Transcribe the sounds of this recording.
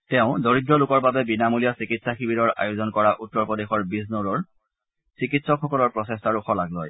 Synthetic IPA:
tɛʊ̃doɹidɹɔlʊkɔɹbabɛbinamulijasikitsaxibiɾɔɹa̰jʊzɔnkɔɹaʔutːɔɹpɔdexɔɹbisnoɹɔɹ | sikitsɔkxɔkɔlɔɹpɹɔsestaɹʊxɔlaklɔj

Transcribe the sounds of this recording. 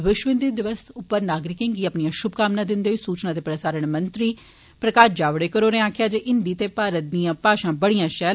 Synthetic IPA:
ʋɪʃʋɪnd̪id̪ɪʋəsʊpːəɾnaːɡɾɪkɪ̃ŋɡiːəpnijãːʃʊbkaːmnaːd̪ɪnd̪eːɦoiːsuːt͡ʃnaːt̪eːpɾəsaːɾəɳ̃mənt̪ɾiː | pɾəkaːʃd͡ʒaːʋɽeːkəɾoːɾeẽaːkʰjaːd͡ʒeːʔɪnd̪iːt̪eːpaːɾət̪̚d̪ijãːpaːʃãːbəɽijãːʃɛː

